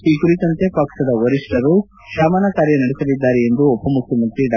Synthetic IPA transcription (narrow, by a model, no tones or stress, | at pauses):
iːkuɾit̪ɐnt̪e̞pɐksɐd̪ɐʋɐɾiʂʈɐɾu | ʃaːmaːnakaːɾjɐnɐɽesɐlid̪ːaːɾeend̪uɔpːɐmukʰjɐmɐnt̪ɾiɖa